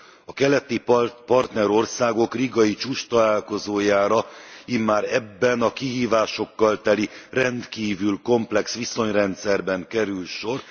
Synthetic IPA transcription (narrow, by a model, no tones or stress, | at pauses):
ɒkɛlɛt̪ipɒrt̪nɛɾo̞rsaːɡo̞kriɡɒjit͡ʃuːʃt̪ɒlaːlko̞zoːjaːɾɒimːaːɾɛbːɛnɒkiɦiːvaːʃo̞kːɒlt̪ɛlirɛnt̪kiːvylko̞mplɛksʋiso̞ɲrɛnt̪sɛrbɛŋkɛɾylʃo̞r